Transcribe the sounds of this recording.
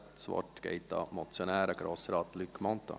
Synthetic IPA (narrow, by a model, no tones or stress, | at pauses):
t̪sʋɑ̰ʈːɡ̥ḛɪt̪ɑ̰mɔt̪sjɔnæːɾəɡɾɔsɾɑːt̪lykːmɔnt̪a̰